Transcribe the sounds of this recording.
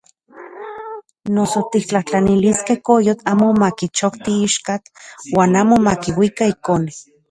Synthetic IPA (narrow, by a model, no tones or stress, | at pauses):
nosot̪ik̚t͡ɬaht͡ɬaniliskehkojot̪aːmomakit͡ʃokt̪iiʃkat̪waːnaːmomakiwikaikone